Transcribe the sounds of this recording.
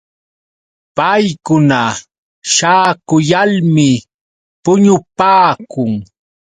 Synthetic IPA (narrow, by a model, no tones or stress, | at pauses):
pajkʊna | ʃaːkʊjalmɪ | pʊɲʊpaːkʊŋ